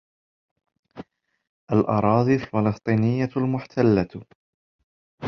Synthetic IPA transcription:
ʔalʔɑɾˤɑːd̪ˤialfɪlɑst̪ˤiːnɪjːalmʊħt̪ʰalːa

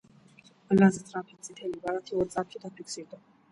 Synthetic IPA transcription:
əlːazət̪ʼɾapʰit͡sʼit̪ʰɛlibaɾat̪ʰiɔɾt͡sʼapt͡ʃʰid̪apʰiksiɾd̪a

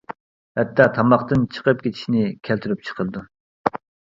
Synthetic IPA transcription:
hɛt̪ʰːɑt̪ʰɑmɑχt̪ɨnt͡ʃʰə̥qəp̚kʲʰet͡ʃ̪ʰi̥ʃnɪkʲʰælt̪ʰyɾyp̚t͡ʃʰə̥qʰəlˠɨd̪u

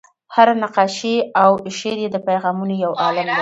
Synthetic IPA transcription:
haɾanaqɑʃeawʃeɾjed̪əpajɣɑmunojawʔɑlɪmd̪a

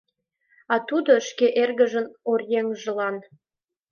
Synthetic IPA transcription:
ɑt̪ud̪oʃkeʔerɣə̆ʒə̆norjeŋʒə̆lɑn

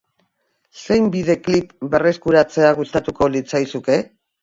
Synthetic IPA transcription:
se̞jmbiðe̞klipbe̞re̞skuɾat͡se̞aɣust̪at̪uko̞lit͡sajsuke̞

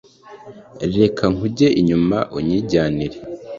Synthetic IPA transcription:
ɾɾe̞kʰaŋuɟe̞ʔiɲumaʔoɲiːɟaːniɾe

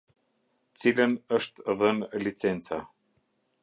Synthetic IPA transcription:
t͡silʲɘ̆nə̆ʃt̪əðənlʲit͡sent͡sɑ̰

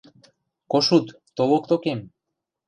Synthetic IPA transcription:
koʃut̪ | t̪olokt̪okem

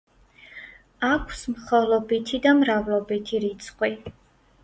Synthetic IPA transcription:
akʷʰsmχɔlˠɔbit̪ʰid̪amɾavlˠɔbit̪ʰiɾit̪sʰʼqʼwi

